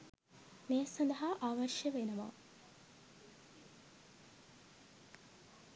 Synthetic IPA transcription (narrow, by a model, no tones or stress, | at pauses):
meːsɐnd̪ɐɦaʔaːʋɐrʂjəʋenɐʋa̰